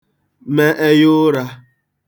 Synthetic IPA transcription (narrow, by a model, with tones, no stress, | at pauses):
me˦ʔe˦jʊ˦ɾa˦